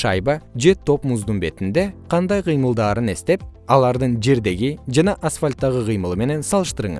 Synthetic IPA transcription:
ʃɑjbɑd͡ʒe̞t̪ʰo̞pmʊzd̪unbe̞t̪ɪnd̪e̞qʰɑnd̪ɑjqʰəjməlˠd̪ɑːɾəne̞st̪e̞p̚ɑlˠɑɾd̪əɴd͡ʒe̞ɾd̪e̞ɡʲid͡ʒɑnɑʔasfalʲt̪ːɑʁəqʰɨjməlˠəme̞ne̞nsɑlˠəʃt̪əɾəɴəz

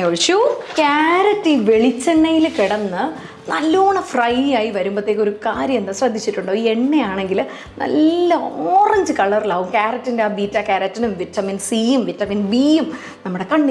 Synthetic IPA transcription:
oɭʂjukaːɾɐtːiʋe̞ɭit͡ɕːɐɳːɐjilkiɽɐnːɨ | nɐlːoːɳɐfrɐjjaːjiʋɐɾumbɐt̪ːeːkːo̞ɾukaːɾjɐmenːɨsrɐd̪ʱːit͡ɕːiʈːuɳɖoːie̞ɳːe̞jaːɳe̞ŋɡil | nɐ̰lːɐoːrɐɲd͡ʑɨkɐɭɐrilaːʋumkaːɾɐtːindeaːbiːtːaːkaːɾɐtːɐnumʋitːɐminsijumʋitːɐminbiːjum | nɐmːuɽekɐɳɖi

